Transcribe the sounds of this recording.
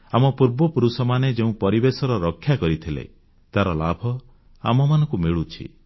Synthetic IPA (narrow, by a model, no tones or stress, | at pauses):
amɔpuɾbɔpuɾusɔmaned͡ʒeũpɔɾibesɔɾɔɾɔkʰːjakɔɾit̪ʰilḛ | t̪aɾɔlabʱɔ | a̰mɔmanɔŋkumiɭut͡ʃʰḭ